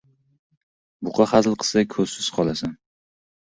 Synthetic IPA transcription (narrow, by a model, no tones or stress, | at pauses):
bʊqʰɑχazlˠqʰɨ̥sakʰɵzsɪzqʰɒlˠasan